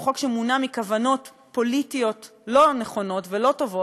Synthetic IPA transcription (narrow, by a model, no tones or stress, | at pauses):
χo̞kʃemunamikavano̞t | po̞litijo̞t | lo̞neχo̞no̞tvelo̞to̞vo